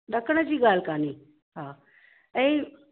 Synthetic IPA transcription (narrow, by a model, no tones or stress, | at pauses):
ɗəkɳəd͡ʑiːɡaːlkaːniː | ɦãː | ẽ